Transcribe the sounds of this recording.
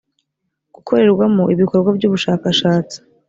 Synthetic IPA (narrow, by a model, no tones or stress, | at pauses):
ɡ̥ukʰo̞ɾe̞ɾɡwamuiβiko̞ɾɡwabɟuːβuʃaːkaʃaːt͡si̥